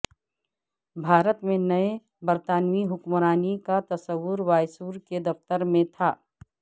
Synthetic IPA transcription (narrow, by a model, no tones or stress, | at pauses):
bʱaːɾət̪mẽnɐe | bəɾt̪aːnʋiɦʊkmɾaːnikat̪ɐsəʋːʊɾʋaːjsuːɾked̪ɐft̪əɾmẽt̪ʰaː